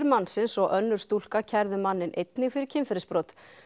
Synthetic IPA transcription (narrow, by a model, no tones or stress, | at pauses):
ɾmansɪnsɔɣʔœnːʏɾ̥st̪ul̥kacʰɛɾðʏmanːɪnʔejt̪nɪɣfɪɾɪɾ̥cʰɪmfɪɾɪspɾɔwt̪